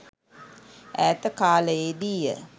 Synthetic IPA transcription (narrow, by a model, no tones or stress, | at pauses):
æːt̪əkaːləjed̪iːjə̰